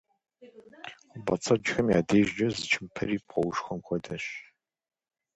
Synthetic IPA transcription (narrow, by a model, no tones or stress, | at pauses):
bɐ̰t͡sʰɐd͡ʒxɐmja̰ːdeːʒd͡ʒɐzɨt͡ʃʰɪmpʰɐ̰ɾiːpʰqʷɔwʊʃxɐmkʷʰɔdɐɕ